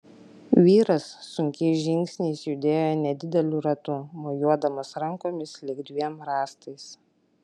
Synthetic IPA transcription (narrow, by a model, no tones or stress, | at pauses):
ʋʲiːɾɐsːʊŋʲkʲɛɪʒʲɪŋʲksʲnʲɛɪsjud̪ʲeːjonʲɛd̪ʲɪd̪ʲɛlʲuɾɐt̪ʊmoːjuɔd̪ɐmɐsɾɐŋkoːmʲɪslʲɪɡd̪ʲʋʲiɛmɾɑːst̪ɐɪs